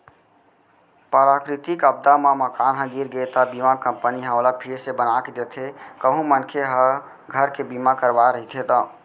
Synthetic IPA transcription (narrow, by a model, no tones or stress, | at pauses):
pəɾakɾit̪ikəbd̪amaməkanɦə̃ɡiɾɡet̪abimakəmpəniɦə̃olapʰiɾsebənaked̪et̪ʰekəɦũmənkʰeɦə̃ | ɡʱəɾkebimãkəɾbaɾəɦit̪ʰet̪ã